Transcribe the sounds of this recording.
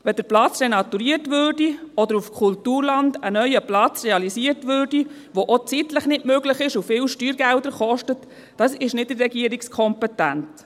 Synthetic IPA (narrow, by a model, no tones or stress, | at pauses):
ʋɛd̥əɾplɑt͡srenɑt̪uɾiːərtʋøːrdiɔdəɾufkʰultuːɾlɑndənœʏəplɑt͡srɛɑlisiːərtʋøːrdi | ʋoʔot͡sitləχnɪtmøɡləχɪʃufɪːlʃtyːɾɡældəɾχɔʃtət | d̥ɑsɪʃnɪd̚dərːɛɡiəɾɪkskʰɔmpɛtænt